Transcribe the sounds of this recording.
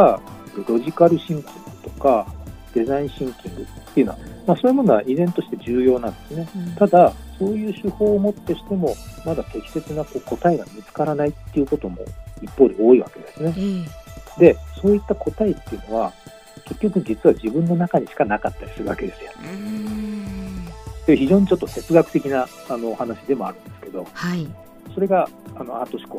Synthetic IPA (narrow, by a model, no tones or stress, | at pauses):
aɯɾo̞ʑikaɾɯ̟ɕĩŋkʲĩŋɡɯt̪o̞̥kad̪̥e̞zaĩɰ̃ɕĩŋkʲĩŋɡɯ̟t̪ːejiɯ̟no̞a̰masoːjimo̞no̞βa̰ʔizẽ̞nt̪o̞ɕi̥t̪ed͡ʑɨːjo̞ːnãnd̪̥e̞sɨne̞t̪ad̪aso̞ːjɯ̟ːɕɨho̞ːmo̞t̪ːe̞ɕi̥t̪e̞mo̞mad̪at̪e̞kʲi̥se̞t͡sɨnako̞ːko̞t̪aeɡamʲit͡sɨ̥kaɾanait̪ːe̞iɯ̟ko̞t̪o̞mo̞̰ipːo̞ːd̪eoːiβa̰ke̞d̪e̞sɨne̞ | d̪e̞so̞ːit̪ːakʰo̞t̪aet̪ːe̞iɯ̟no̞βa | ke̞kʲːo̞kɯ̟d͡ʑit͡sɨβad͡ʑibɯ̟̃nːo̞nakaɲ̟iɕi̥kanakat̪ːaɾʲi̥sɨɾɯa̰ke̞d̪e̞sɨjo̰ | d̪eçiʑo̞ːɲ̟it͡ɕo̞t̪ːo̞t̪e̞t͡sɨɡakɯ̟t̪e̞kʲinaː | noːhanaɕid̪e̞mo̞aɾɯ̟̃nd̪e̞sɨ̥ke̞d̪o̞ha | so̞ɾe̞ɡaano̞̰at̪ːo̞ɕi̥ko̞